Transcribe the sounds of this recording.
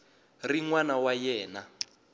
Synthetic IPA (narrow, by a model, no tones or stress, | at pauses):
riŋwanawajɛːna